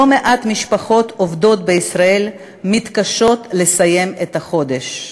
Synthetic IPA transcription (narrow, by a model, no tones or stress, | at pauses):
omeʔat̪miʃpaχo̞t̪ʰovd̪o̞t̪̚beisʁael | mit̪kaʃo̞t̪lesaje̞met̪ɐχo̞d̪eʃ